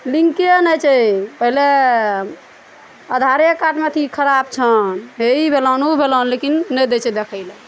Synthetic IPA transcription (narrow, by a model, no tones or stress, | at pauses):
liŋkienət͡ʃʰəpəɦile | əd̪ʱaɾjekaʈmet̪ʰikʰəɾabt͡ʃʰənɦeibʱelənubʱelənlekinːɛd̪et͡ʃed̪ekʰəɪlə